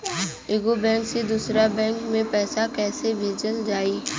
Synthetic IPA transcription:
ɪɡobɛ̃ːŋksid̪uːsɾabɛ̃ːŋkmẽpɛːsakɛːsebʱeːd͡ʒəld͡ʒaːiː

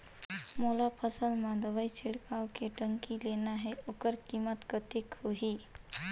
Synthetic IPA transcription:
molapʰəsəlmad̪əʋajt͡ɕʰeɽkawkeʈəŋkilenaɦeokəɾkimət̪kət̪ikhoɦi

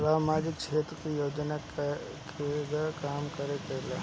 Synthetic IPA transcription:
ʋaːmaːd͡ʒɪkt͡ʃʰeːt̪ɾkijoːd͡ʒnakʰ | eɡakaːmkɐɾepeːla̰ː

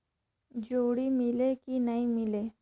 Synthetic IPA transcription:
d͡ʒoːɽimɪlekinɐimɪleː

